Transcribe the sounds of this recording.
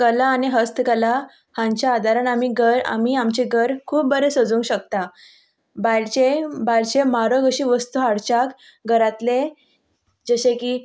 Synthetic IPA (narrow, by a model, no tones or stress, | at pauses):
kəlaːniɦəst̪ʰkəla | hãɲt͡ɕjaːd̪ʱaɾanamiːɡəɾa̰miːamt͡ɕeɡəɾkʰuːp̚bəɾesəd͡zũŋkɕək̚t̪a | bajlt͡ɕebajlt͡ɕemaɾəɡəɕiʋəst̪uɦaɽt͡ɕak | ɡəɾat̪le | d͡zəɕekiː